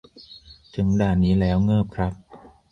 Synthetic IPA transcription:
t͡ɕɯ˧˩nm˥daː˧˩niː˦˥lɛː˦˥wŋɤː˥˩p̚kʰɾa˦˥p̚

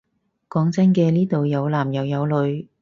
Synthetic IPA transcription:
kɔː˨˥ŋt͡sɐ˥nkɛː˧niː˥t̪o˨wjɐ˨˧wlaː˨˩mjɐ˨˧wjɐ˨˧wlɵ˨˧ɥ

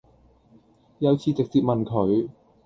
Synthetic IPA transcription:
jɐ˨˧wt͡sʰiː˨t͡sɪ˨k̚t͡siː˨p̚mɐ˨nkʰɵ˨˧ɥ

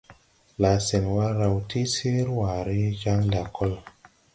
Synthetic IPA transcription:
la˨sɛ˨ŋwa˦ɾa˧wtʰi˦se˦ɾwa˨ɾi˦d͡ʒa˦ŋla˨kʰɔ˦l

